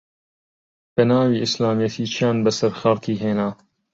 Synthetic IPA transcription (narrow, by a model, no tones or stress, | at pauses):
b̥ənaːwiːʔɪslaːmijɛt̪ʰiːt͡ʃʰijɑːnbəsɐɾxɐɾt̪ʰiːɦeːnaː